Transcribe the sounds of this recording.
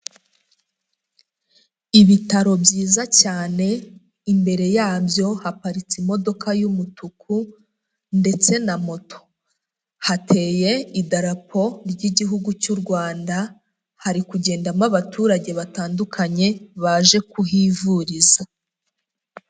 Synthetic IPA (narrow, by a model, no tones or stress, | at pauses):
iβitaɾo̞bɟiːzacaːne̞ | imbe̞ɾe̞jaːbjo̞hapaɾit͡simo̞do̞kʰajumutukʰu | nde̞t͡se̞namo̞tʰo̞̥ | hatʰe̞ːje̞idaɾapʰo̞ɾɟiɟiɦuɡucuɾɡwaːnda | haɾikuɟe̞ːndamaβatuːɾaɟe̞βataːndukʰaɲe̞βaʒe̞kuɦivuɾiza